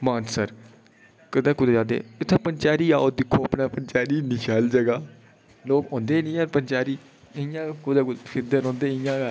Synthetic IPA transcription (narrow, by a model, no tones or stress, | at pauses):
maːnsəɾ | kəd̪ẽːkʊd̪ːd͡ʒaːd̪ḛːɪt̪ʰːẽːpəɲt͡ʃaːɾiːa̰ːoːd̪ɪkʰːoːpnaːpənt͡ʃaːɾiːnɪʃaːld͡ʒəɡaː | loːkɔ̃ːnd̪eːnĩːəɾpənt͡ʃaːɾiː | ɪjãːkʊd̪eːfʰɪɾd̪ənɔ̃ːnd̪eːɪjãːaː